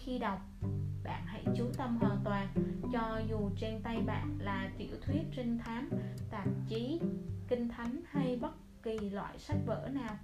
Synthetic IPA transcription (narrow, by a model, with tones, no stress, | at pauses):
xi˧ɗa˨˩wk͡p̚ɓa̰ː˧˨nha̰˧˥˩jt͡ɕu˨˦t̪ə˧mɦwaː˨˩nt̪waː˨˩nt͡ɕɔ˧zu˨˩t͡ɕe˧nt̪a˧jɓa̰ː˧˨nlaː˨˩t̪ḭ˧˩əwt̪ʰwi˦˥ət̚t͡ɕi˧ŋ̟t̪ʰaː˨˦mt̪aː˨˩m̚t͡ɕi˨˦kï˧ŋ̟t̪ʰa˨˦nha˧jɓə˦˥t̚ki˨˩lwa̰ː˧˨jsa˦˥jk̟̚və̰ː˧˥naː˨˩w